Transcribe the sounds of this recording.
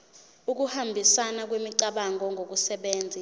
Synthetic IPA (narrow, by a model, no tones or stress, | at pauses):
uk̬uhambʱisanak̬wemiǀaɓaŋʱɔŋʱok̬usɛɓeːnd͡zʱi